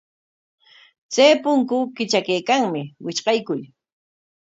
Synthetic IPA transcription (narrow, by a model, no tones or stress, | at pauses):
t͡sajpʊŋkʊkɪt͡ʃakejkaŋmɪwɪt͡ʃqɑjkʊʎ